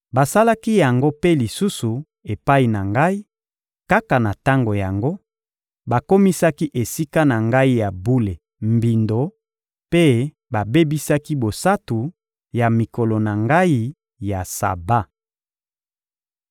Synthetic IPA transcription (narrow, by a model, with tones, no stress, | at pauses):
ba˨sa˦la˦ki˦ja˨ŋɡo˦pe˦li˨su˦su˨ | e˨pa˦i˨na˨ŋɡa˦i˦ | ka˦ka˨na˨ta˦ŋɡo˨ja˨ŋɡo˦ | ba˨ko˦mi˦sa˦ki˦ʔe˨si˦ka˦na˨ŋɡa˦i˦ja˨bu˦le˨ | mbi˨ndo˨ | pe˦ | ba˨be˦bi˦sa˦ki˦bo˨sa˦tu˨ | ja˨mi˨ko˨lo˨na˨ŋɡa˦i˦ | ja˨sa̰˨ba˦